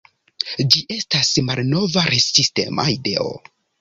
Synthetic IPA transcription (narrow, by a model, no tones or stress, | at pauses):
d͡ʒiʔe̞stasmalno̞vaɾesiste̞̰ma̰ideo̰